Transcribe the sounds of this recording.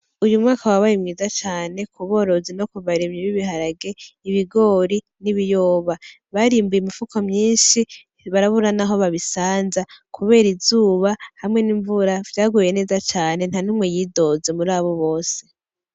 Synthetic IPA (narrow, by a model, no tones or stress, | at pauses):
ujumŋaːkawaβajimŋiːzat͡ʃaːne̞kʰuβo̞ːɾo̞zino̞kuβaɾemɲiβiβihaɾaɡe̞iβiɡo̞ɾi | niβijoːβa | βaɾiːmbujimifukʰomɲiːʃi | βaɾaβuɾanaɦo̞βaβisaːnzakʰuβe̞ːɾizuːβahamŋe̞niːɱvuɾavɟaːɡuje̞ne̞ːzat͡ʃaːne̞n̥hanumŋejiːdo̞ze̞muɾaːβo̞βo̞ːse̞